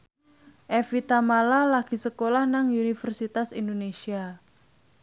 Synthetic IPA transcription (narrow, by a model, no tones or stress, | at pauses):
ʔefit̪amalalaɡ̥i̤səkolahnaŋunifərsit̪asindonesia